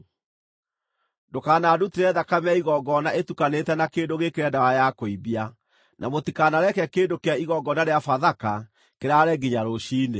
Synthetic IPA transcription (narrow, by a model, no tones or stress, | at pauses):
dokaːnadutiɾɛðakamaiɣɔɡɔnaʔetukanetɛnakeːndoɣekeɾɛndawajakoibia | nʔamotikanaɾɛkɛkeːndokeaiɣɔɡɔnaɾeafaðaka | keɾaɾɛɡiɲaɾoɕiːne